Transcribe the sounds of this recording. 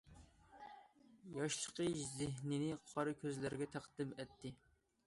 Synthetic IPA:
jɑʃʃəqʰəʃzɪɦnɪnɪqʰɑɾɨkʲʰøzlæɾɪɡʲɛt̪ʰæqd̪̥ɪmɛt̪ʰːɪ

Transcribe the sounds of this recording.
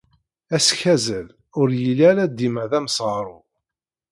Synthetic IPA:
æsçæzəl | ʊɾjəlæɾæd̪iməðæmsˤʁɾˤʊ

